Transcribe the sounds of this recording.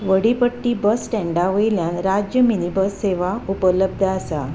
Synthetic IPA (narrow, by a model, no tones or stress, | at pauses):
ʋəɽipəʈːiːbəsʈɛ̃ɳɖaʋəjljãnɾad͡ʑjəminibəsːeʋaupələb̚d̪ʱasa